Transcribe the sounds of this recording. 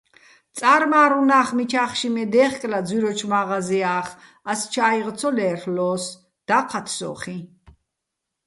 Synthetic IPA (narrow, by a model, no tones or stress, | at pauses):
t̪t͡s̪ʼaɾmaːɾunaːχmit͡ʃʰaχʃimɛd̪ɛːχkʼlad͡zwiɾɔt͡ʃʰmaʁaziaːχ | ast͡ʃʰaiʁt͡sʰɔlɛːrlɔːs | d̪̥aqʰat̪ʰsɔ̰ːχi